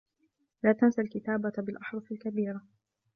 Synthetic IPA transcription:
laːt̪ansalkɪt̪aːbabɪlʔaħɾˤɑfalkabiːɾa

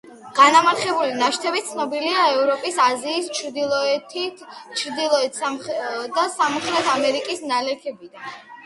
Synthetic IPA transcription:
ɡ̥anamaɾχɛbulinaʃt̪ʰɛbit̪t̪sʰnɔbiliaɛvɾɔpʼisaziːst͡ʃʰɾd̪ilˠɔɛt̪ʰ | t͡ʃʰɾd̪ilˠɔɛt̪ʰ | d̪asamɔχʰlɛt̪ʰamɛɾikʼisnalɛkʰɛbid̪an

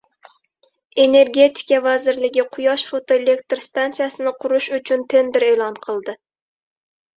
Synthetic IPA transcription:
eneɾɡʲet̪ʰi̥kʲɛvæzɪɾlɪɡʲiqʰʊjɑʃfot̪ʰoelekʲt̪ɾst̪ɑnsɨjɛsɨnɪqʰʊɾuʃut͡ʃʰynt̪ʰɪnd̪ɪɾeːlˠɑnqʰəlˠd̪ɨ

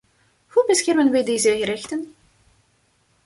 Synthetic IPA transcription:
hubəsxɛrmənʋɛjdejzəɣəɾɛxtən

